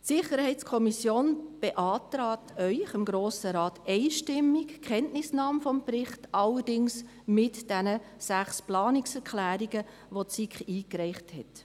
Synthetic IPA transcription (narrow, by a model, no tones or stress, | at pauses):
tsɪχəɾhɛɪtskʰɔmisjoːnb̥eʔɑːtɾɑːtʰœʏχɪmɡɾoːsəɾɑːtɛɪʃtɪmːɪkkχɛntnɪsnɑːmfɔmprɪχtɑləɾdɪŋs | mɪtd̥ɛnə | sæχsplɑːnɪksɛɾkʰlæːɾiɡ̥ə | ʋott͡sikχiːkɾɛɪχthɛ̰t